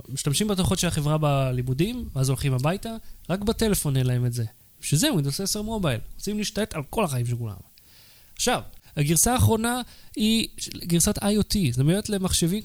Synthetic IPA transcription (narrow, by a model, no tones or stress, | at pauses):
miʃtamʃimbet̪oχo̞tʃelaχe̞vʁabalimudimveazo̞lχimabajtaʁakbate̞le̞fo̞nelae̞metze̞ | ʃezemid̪oseseʁmo̞bajlʁot͡simliːʃt̪aetalko̞laχaimʃekula̰m | aχʃavhaɡiʁsaːχʁo̞naiɡiʁsat̪ajot̪izemeetle̞maχʃe̞vi